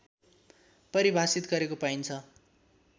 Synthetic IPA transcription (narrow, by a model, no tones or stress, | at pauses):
pʌɾibʱasit̪ɡʌɾekopajnt͡sʰʌ